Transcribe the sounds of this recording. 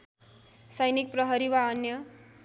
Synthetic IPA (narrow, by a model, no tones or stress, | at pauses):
sʌjnik̚prʌɦʌɾiwaʌnjʌ